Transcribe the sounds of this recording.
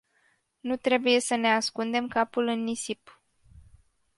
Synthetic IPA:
nut̪ɾe̞buje̞səne̞askund̪e̞mkapulɨnːisip

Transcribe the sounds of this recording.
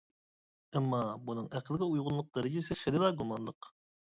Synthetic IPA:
ɛmːɑbunɨŋæqlˠɡʲɪujʁʊnlˠʊq̚d̪ɛɾɪd͡ʒɪsɪχɪlɪd̪ɑɡumɑnlˠəq

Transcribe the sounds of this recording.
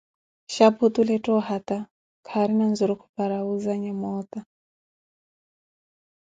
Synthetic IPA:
ʃapʰut̪ulɛtʼɔhat̪a | kʰaɾinanzuɾɔkʰu̥paɾauzaɲamɔt̪a

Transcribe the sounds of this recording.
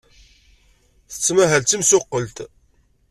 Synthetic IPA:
θə̥t͡sːmæɦælt͡s̪ːimsʊqːəlt̪

